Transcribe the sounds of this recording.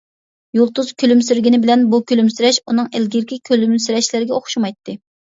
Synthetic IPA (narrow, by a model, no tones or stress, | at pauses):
jolˠt̪uzkʲʰølymsyɾɡʲinɪbɪlɛnbukʲølymsyɾɛʃunɨŋelɡʲɪɾkʲʰikʲʰølymsyɾɛʃlɪɾɪɡʲɛoχʃumɑjt̪ʰːɨ